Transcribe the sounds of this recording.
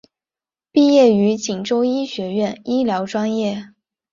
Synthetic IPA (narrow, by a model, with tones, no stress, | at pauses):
pi˥˧jɛ˥˩y˧˥t͡ɕi˨˩ŋʈ͡ʂo˥ʊi˥ɕɥɛ˧˥ɥɛ˥˩ni˥ljɑ˧˥ʊʈ͡ʂwa˥njɛ˥˩